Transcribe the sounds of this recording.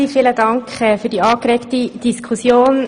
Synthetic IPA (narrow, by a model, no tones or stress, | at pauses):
ifiːlədɑŋkχɛfyːd̥iɑːkɾeːktid̥iskʰusjoːn